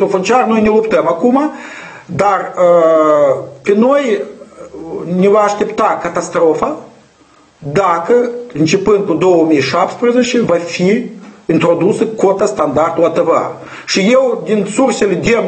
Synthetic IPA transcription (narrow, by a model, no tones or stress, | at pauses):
ofont͡ʃarnojnelˠupt̪əmakuma | d̪arə | pʲenoj | nʲevaːʃt̪ept̪akat̪ast̪ɾofa | d̪akəɨnt͡ʃe̞pɨnd̪̚kud̪owəmijʃapt̪spɾezet͡ʃevafiint̪ɾo̞d̪usəkot̪ast̪and̪art̪ulat̪əva̰ | ʃijewd̪insurselʲed̪ʲem